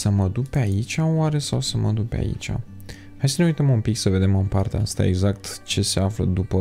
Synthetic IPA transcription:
səməd̪upeait͡ʃʲawaɾe̞sawsəmə̰d̪upe̞̰a̰ḭt͡ʃa̰ | hajsəneujt̪əmumpiksəve̞d̪e̞mɨmpart̪eaast̪a̰e̞ɡzakt̪t͡ʃe̞se̞aflə̰d̪upə

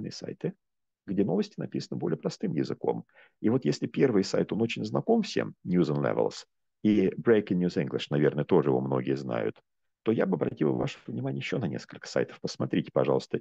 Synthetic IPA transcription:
nɨ̰jəsa̰jt̪ɨ | ɡdʲeno̞vəsʲtʲɪnɐpʲisənəbolʲɪjəpɾɐst̪ɨmjɪzɨko̞̰m | ivo̞t̪jesʲlʲɪpʲe̞rvɨjsajt̪o̞no̞t͡ɕɪnʲznɐko̞mfsʲe̞̰mnʲjuzənlʲɛ̰vʲə̰lˠs | ibɾejkɪnʲjʲuziŋɡlʲɪʂnɐvʲernəjət̪o̞ʐəɨjɪvo̞mno̞ɡʲɪjəzna̰jʊ̰t̪ː | o̞jabɨɐbɾʔɐ̰tʲilˠva̰ʂəvnʲɪmanʲɪjɪɕːo̞nɐnʲḛskəlʲkə̥sa̰jt̪ə̥fpəsmɐt̪ɾʲitʲɪ̥pɐʐɑlˠəst̪ə

